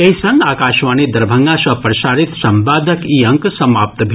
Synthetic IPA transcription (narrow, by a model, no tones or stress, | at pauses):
eɦisɐ̃ŋɡaːkaːʃʋaːnid̪ɐɾbʱɐŋɡãsɐpɾɐʃaːɾit̪sɐmbaːd̪ʱəkiːɐ̃ŋksɐmaːp̚t̪bʱ